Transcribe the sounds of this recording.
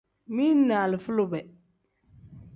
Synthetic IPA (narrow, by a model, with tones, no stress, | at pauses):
mi˦nːa˨lɪ˨fu˦lʊ˨bɛ˨